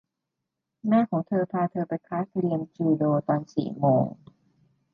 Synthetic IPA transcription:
mɛː˥˩kʰɔː˩˦ŋt̪ʰɤː˧pʰaː˧t̪ʰɤː˧pa˧jkʰaː˦˥t̪̚ɾi˧əmt͡ɕuː˧doː˧t̪ɔː˧nsḭː˨˩moː˧ŋ

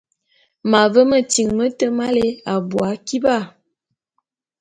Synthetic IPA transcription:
ma˨və˦mə˦ti˨ŋmə˦tə˦ma˦le˦a˨bwa˨˦ki˦ba˦˨

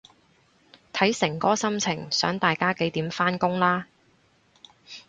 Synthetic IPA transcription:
t̪ʰɐ˨˥jsɪ˨˩ŋkɔː˥sɐ˥mt͡sʰɪ˨˩ŋsœː˨˥ŋt̪aː˨jkaː˥ke˨˥jt̪iː˨˥mfaː˥nkʊ˥ŋlaː˥

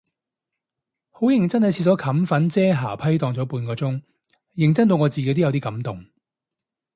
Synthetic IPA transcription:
ho˨˥wjɪ˨˩ŋt͡sɐ˥nhɐ˨jt͡sʰi˧t̚t͡sɔː˨˥kʰɐ˨˥mfɐ˨˥nt͡sɛː˥ɦaː˨˩pʰɐ˥jt̪ɔː˧ŋt͡sɔː˨˥puː˨˧nkɔː˧t͡sʊ˥ŋ | jɪ˨ŋt͡sɐ˥nt̪̬o˧wŋɔː˨˧t͡siː˨ke˨˧˥jt̪o˥jwt̪iː˥kɐ˨˥mt̪ʊ˨ŋ

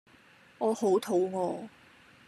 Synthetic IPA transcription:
ŋɔː˨˧ho˨˥wt̪ʰo˨˥wŋɔː˨˧

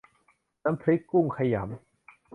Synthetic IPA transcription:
na˦˥mpʰɾi˦˥kːu˥˩ŋkʰa˧ja̰˩˦m

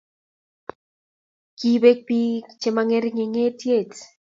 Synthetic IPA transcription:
ki˦be˦k̚pi˦t͡ʃe˨maŋe˦ɾiŋe˨ŋe˦tje˦˨t

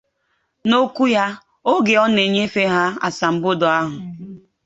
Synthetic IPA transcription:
no˦kʷu˦ja˦ | o˦ɡe˨ɔ˦ne˨ɲe˦fe˦ɦa˦a̰˨sa˨m̩˦bʊ˦dʊ˨a˦ɦʊ˨

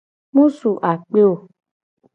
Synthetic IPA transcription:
mũ˦su˨ʔa˨k͡pe˦o˨

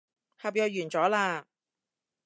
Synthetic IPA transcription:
hɐ˨p̚jœː˧jyː˨˩nt͡sɔː˨˥laː˧

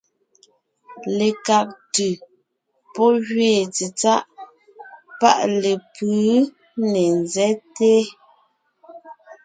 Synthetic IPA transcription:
le˨ka˨k̚tʉ˨ | pɔ˦ɣɥeː˦˨t͡si˨t͡sa˦ʔ | pa̰˦˨ʔle˨pʉ˨˦ | ne˨nzɛ˦te˦

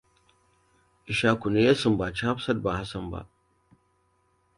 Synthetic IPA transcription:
ʔɪ˨ʃaː˦kʷu˨ne˦ja˦sʊ˨mba˨t͡ʃi˦ha˦ɸsɐ˦dba˨ha˦sɐ˨mba̰˦˨ʔ

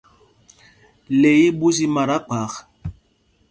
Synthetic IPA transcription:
le˨ji˦bu˦si˦ma˨ɾa˦k͡pa˨˦k

